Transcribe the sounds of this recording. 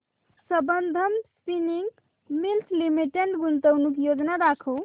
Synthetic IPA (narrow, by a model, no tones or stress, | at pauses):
səbənd̪ʱəmspiniŋɡ | milt̪ʰlimiʈeɳʈɡunt̪əwnukjod͡ʒnaɾakʰow